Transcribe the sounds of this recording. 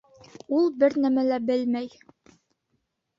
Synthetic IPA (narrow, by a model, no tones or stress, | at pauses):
ulˠbɘɾnæmælæbɘlmæj